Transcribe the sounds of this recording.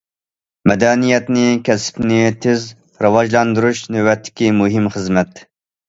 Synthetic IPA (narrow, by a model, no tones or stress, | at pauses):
mɛd̪ɛnijɛt̪nɪkʲʰɛsɪ̥pnɪt̪ʰez | ɾɨwɑd͡ʒlˠɑnd̪uɾuʃnɪwɛt̪ʰːɪ̥kʲimuɦimχəzmɛt̪